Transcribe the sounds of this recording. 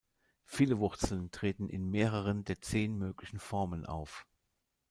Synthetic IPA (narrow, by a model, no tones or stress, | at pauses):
fiːləvʊʁt͡sl̩ntʁ̥eːtn̩ʔɪ̰nmeːʁ̞əʁ̞əndeːɐt͡seːnmøːklɪçn̩fɔʁmənʔa̰ʊf